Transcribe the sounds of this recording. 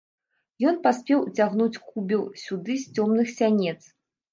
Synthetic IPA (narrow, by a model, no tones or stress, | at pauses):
jɔn̪pasʲpʲɛwt͡sʲaɣnut͡sʲkubʲɛwsʲud̪ɨsʲt͡sʲɔmnɨxsʲanʲɛt̪s